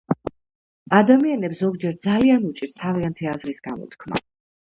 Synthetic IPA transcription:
ad̪amianɛpsɔɡd͡ʒɛɾd̪zalianut͡ʃʼiɾst̪ʰaviant̪ʰiazɾisɡ̥amɔ̰t̪ʰkʰma̰

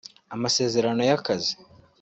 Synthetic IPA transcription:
amase̞ːze̞ɾano̞jakazi

